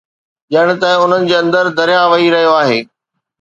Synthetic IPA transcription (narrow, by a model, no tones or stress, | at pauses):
ʄɐɪɽ̃̆t̪ɐ̃ɪ̃ʊn̤ənɪ̆d͡ʑeːɐ̃nd̪əɾd̪ɐɾjãʋɐiɾɐɦijoaːɦeː